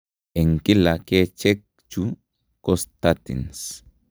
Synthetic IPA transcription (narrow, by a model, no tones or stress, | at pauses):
eŋkilaket͡ʃɛk̚ | t͡ʃu | kost̪at̪ḭns